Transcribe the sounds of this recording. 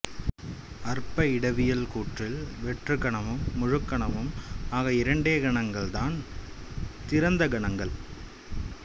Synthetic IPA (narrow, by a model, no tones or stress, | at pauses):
ɐrpɐɪɽɐʋɪjɐlkuːʈrɪlʋɛʈrɯɡɐɳɐmɯmːʊɻʊkːɐɳɐmɯmaːɣɐɪɾɐɳɖeːɡɐɳɐŋɡɐɭd̪aːn | t̪ɪɾɐnd̪ɐɡɐɳɐŋɡɐɭ